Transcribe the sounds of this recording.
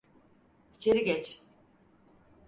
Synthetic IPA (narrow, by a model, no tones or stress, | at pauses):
i̥t͡ʃʰeɾiɡɛt͡ʃ